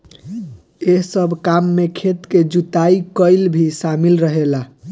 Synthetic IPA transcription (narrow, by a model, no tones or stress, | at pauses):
eɦsəbʱkamːekʰet̪ked͡ʒut̪aikəjlbʱisamilɾəɦela